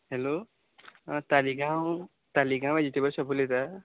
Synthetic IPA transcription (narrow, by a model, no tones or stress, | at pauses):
helo | t̪aliɡãw | t̪aliɡãw̃bad͡ʒit̪ibəɾsəpulet̪a